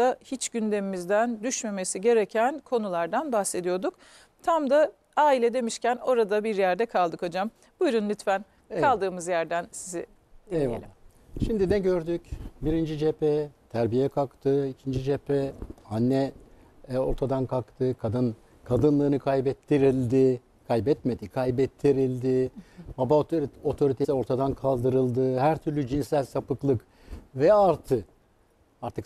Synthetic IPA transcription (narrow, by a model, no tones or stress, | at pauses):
ahit͡ʃɟynd̪e̞mimizd̪ænd̪yʃme̞me̞siɟe̞ɾecʰænkʰo̞nulˠaɾd̪anbaxse̞d̪ijo̞ɾd̪uk | t̪ʰamd̪a | aːilʲɛd̪e̞miʃcæno̞ɾad̪abiɾjæɾd̪ɛkʰalˠd̪ɯkʰod͡ʒam | b̥ujɾunlʲyt̪fæn | kʰalˠd̪ɯːmɯzjæɾd̪ænsizḭ | d̪ielʲim | ʃimd̪inɛɟø̞ɾd̪ycbiɾind͡ʒid͡ʒepɛt̪ʰæɾbijɛkʰakt̪ʰɯicʰind͡ʒid͡ʒepʰɛanːɛ | o̞̰ɾt̪ʰad̪ankʰakt̪ʰɯkʰad̪ɯn | kʰad̪ɯnlˠɯːnɯkʰajbɛt̪ʰːiɾilʲd̪ɪ | kʰajbɛt̪me̞d̪ikʰajbɛt̪ʰːiɾilʲd̪ɪbabaot̪ʰo̞ɾit̪ʰesio̞ɾt̪ʰad̪ankʰalˠd̪ɯɾɯlˠd̪ɯhæɾt̪ʰyɾlʲyd͡ʒinsælʲsapɯklˠɯk | vɛaɾt̪ʰɯ | aɾt̪ʰɯk